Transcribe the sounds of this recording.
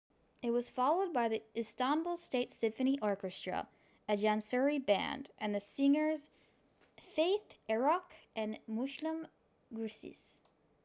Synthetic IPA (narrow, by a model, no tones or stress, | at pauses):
ɨt̚wʌz̥fɑlˠoʊd̚baɪðiɨstɑ̃mblˠsteɪtsɪ̃ɱfɨñiʔɔɹkɨstɹ̥ə̰ | ɨtʒæ̃nsɛɹibæ̰̃ndʔɨ̃nðɨsɪ̃ŋə˞z̥ | feɪθɛɹɑkʔɨ̃nmʊslə̃m | ɡɹʉsḭs